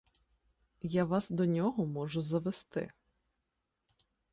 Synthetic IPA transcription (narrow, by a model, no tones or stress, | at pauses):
jaʋɑsd̪ɔnʲɔɦɔmɔʒʊzɐʋest̪ɪ̰